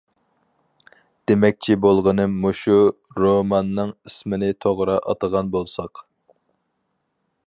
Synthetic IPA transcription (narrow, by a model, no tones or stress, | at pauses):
d̪̥emɛk̚ʲt͡ʃʰibolˠʁənɨmːoʃu | ɾomɑnːɨŋismɪnɪt̪ʰoʁɾɑʔɑ̰t̪əʁɑnbolˠsɑq